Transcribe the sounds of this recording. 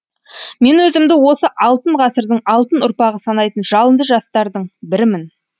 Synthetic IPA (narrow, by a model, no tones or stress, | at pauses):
me̞nwɵzɪmd̪ɪwo̞səʔɑlˠt̪əɴʁɑsəɾd̪əɴɑlˠt̪ənʊɾpɑʁəsɑnɑjt̪ənʒɑlˠənd̪əʒɑst̪ɑɾd̪əɴbɪɾɪmɪn